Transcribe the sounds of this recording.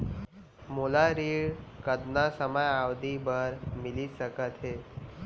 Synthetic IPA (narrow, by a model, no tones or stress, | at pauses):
molaɾiːɭɽkəd̪nasəməjawd̪ʱibəɾmilisəkət̪ɦe